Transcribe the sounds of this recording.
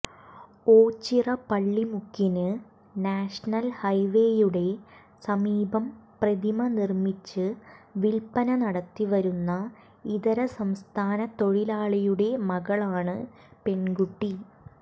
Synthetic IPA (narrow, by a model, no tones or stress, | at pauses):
oːt͡ɕːirɐpɐɭːimukːinɨ | naːʂɐnɐlhɐjʋe̞ːjuɽe̞ | sɐmiːbɐmprɐd̪imɐnirmit͡ɕːɨʋilpɐnɐnɐɽɐt̪ːiʋɐɾunːɐ | iðɐɾɐsɐmst̪ʰaːnɐt̪o̞ɻilaːɭɐjuɽe̞mɐɣɐɭaːɳɨ | pe̞nɡuʈːi